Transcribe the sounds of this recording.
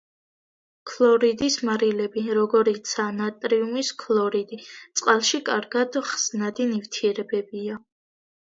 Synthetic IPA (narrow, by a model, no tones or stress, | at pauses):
kʰlˠɔɾid̪ismaɾilɛbiɾɔɡɔɾit̪sʰanat̪ʼɾiumiskʰlˠɔɾid̪it̪sʼqʼalˠʃikʼaɾɡad̪χz̥nad̪inift̪ʰiɛɾɛbɛbia